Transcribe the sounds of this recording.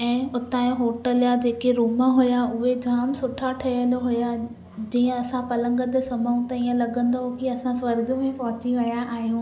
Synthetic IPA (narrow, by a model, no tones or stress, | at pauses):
ɛ̃ːʊt̪aːjõɦoːʈəljad͡ʑeːkeɾuːmaɦʊjaʊɦed͡ʑaːmsʊʈʰaʈʰɐjəlɦʊja | d͡ʑiːə̃ɐsãpɐlə̃ŋɡət̪ɪ̆sɐməũt̪ɐiːə̃lɐɡə̃nd̪okiɐsãswɐɾɡə̆mẽpɐɦʊt͡ɕiʋɐjaʔaːɦijũː